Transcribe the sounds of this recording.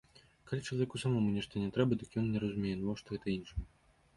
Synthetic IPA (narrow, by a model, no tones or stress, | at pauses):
kalʲit͡ʂlˠɐvʲɛkusamɔmunʲɛʂt̪ɐnʲɛt̪ɾɛbɐd̪ɨkjɔnnʲɛɾɐzumʲejɛnvɔwʂt̪ɔɣɛt̪ɐinʂɨm